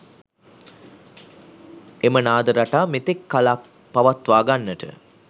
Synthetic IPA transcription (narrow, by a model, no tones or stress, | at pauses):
emənaːd̪əɾaʈaːmet̪ekːala | paʋat̪ʋaːɡanːəʈə̰